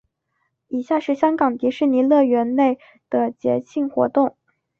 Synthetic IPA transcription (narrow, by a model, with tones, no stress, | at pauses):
i˨˩ɕja˥˧ʂɻ̩˥˩ɕjɑ˥ŋkɑ˨˩ŋt̪i˧˥ʂɻ̩˥˩ni˧˥lɤ˥˩ɥɛ˧˥nne˥˩ɪ | d̪̥ə˩t͡ɕjɛ̰˧˥t͡ɕʰi˥˩ŋxwɔ̰˧˥t̪ʊ˥˩ŋ